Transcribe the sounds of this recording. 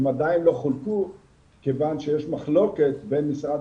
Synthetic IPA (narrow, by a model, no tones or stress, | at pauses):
mad̪ainlo̞χulku | kevanʃejeʃmaχlo̞ket̪benmisʁad̪